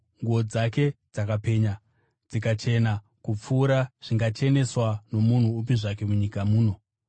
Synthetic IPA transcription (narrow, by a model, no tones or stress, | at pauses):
ŋɡuo̞d͡zake̞d͡zakape̞ɲa | d͡zikat͡ʃe̞na | kup͡fuːɾaʐ̥iŋɡat͡ʃe̞ne̞swano̞mun̤uːp̬iʐake̞muɲikamuːno̞